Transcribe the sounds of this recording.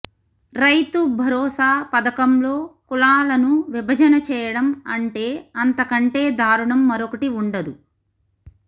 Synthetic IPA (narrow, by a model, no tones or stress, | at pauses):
ɾɐjt̪ubʱɐɾɔːsaːpɐd̪ɐkɐmlo̞ːkulaːlɐnuʋibʱɐd͡ʒɐnɐt͡ʃɛːjɐɽɐmɐ̰ɳʈe̞ːɐnt̪ɐkɐɳʈe̞ːd̪ʱaːɾuɳɐmːɐɾokɐʈiuɳɖɐd̪u